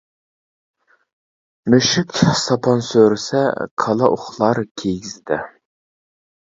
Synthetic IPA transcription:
møʃɪkʲsɑpʰɑnsøɾɪsɛ̰kʰɑlˠɑʔoχlˠɑɾkʲʰejɡʲizɪd̪ɛ

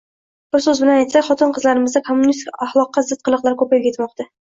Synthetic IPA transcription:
b̥ʊsɵzbɪlanajt̪sakʲχɒt̪ʰɪnqʰɨzlaɾɪmɪzd̪akʰomːʊnist̪ɪkʲaχlˠɒqːɑzɪt̪̚qʰɨlˠɨqlˠaɾkʰɵpajɡʲajet̪mɒqt̪a

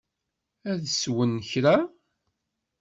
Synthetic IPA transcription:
æðswənːəçɾa

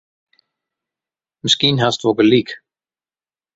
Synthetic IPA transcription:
məskinɦastʋɔkəlik

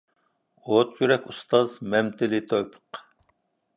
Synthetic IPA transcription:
ot̪jyɾɛkʲust̪ɑzmɛmt̪ʰɪlɪt̪ʰojpʰə̥q

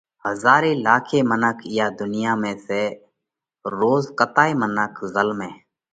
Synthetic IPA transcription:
həzaːɾiːlaːkʰeːmənəkʰjaːd̪ʊnɪjaːmẽːseː | ɾoːzkət̪aːiːmənəkʰzəlmẽː

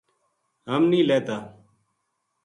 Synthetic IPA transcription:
ɦəmnĩːleːt̪aː

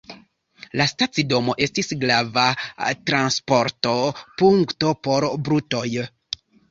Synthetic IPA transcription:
lastatt͡sido̞mo̞ʔe̞stisɡɾavatɾanspo̞ɾto̞puŋkto̞po̞ɾbɾuto̞j

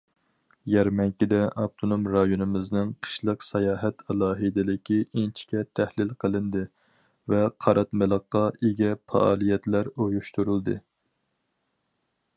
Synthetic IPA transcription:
jɛɾmɛŋkʲid̪ɛʔɑp̚t̪ʰonomɾɑjonɨmɪznɨŋqʰə̥ʃlˠəqsɑjɑːɦɛt̪ɑlˠɑːɦɨd̪ɪlɪkʲʰient͡ʃʰi̥kʲɛt̪ʰæhlɪlqʰəlˠɨnd̪ɨ | vɛqʰɑɾʔɑt̪mɪlˠəqːɑeɡʲɛpʰɑ̰ɑ̰ːlˠijɛt̪læɾojuʃt̪uɾulˠd̪ɨ

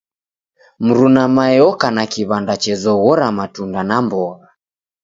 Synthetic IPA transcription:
m̩ɾunamajɔkanakiβandat͡ʃɛzɔɣɔɾamatundanambɔɣa

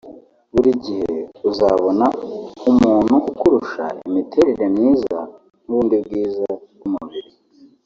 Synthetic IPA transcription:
βuɾiɟiheuzaβo̞naumuːn̥huʔukuɾuʃa̰imitʰe̞ɾeɾemiːza̰ | nuβuːndibɡiːzaɡumuβiɾi

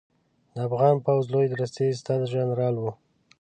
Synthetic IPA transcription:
d̪əafɣɑnpawzlojed̪ɾəst̪est̪ɑd̪əʒanɾɑlwu

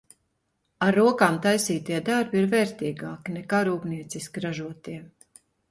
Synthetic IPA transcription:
aɾːuɔkaːmt̪ajsiːt̪iɛd̪aɾbiɾvɛːɾt̪iːɡaːkinɛkaːɾuːbniɛt̪siskiɾaʒuɔt̪iɛ

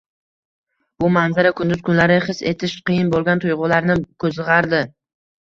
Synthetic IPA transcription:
b̥ʊmanzaɾakʰʊnd̪ʊzkʰʊnlaɾɪχɨse̞t̪ʰɪʃqɨjɪnbolˠɡʲant̪ʰʊjʁʊlaɾnɪkʰɵzɨʁɑɾd̪ɪ

